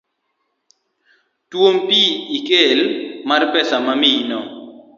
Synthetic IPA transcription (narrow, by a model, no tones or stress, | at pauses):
twompiikelmarpɛsamaminɔ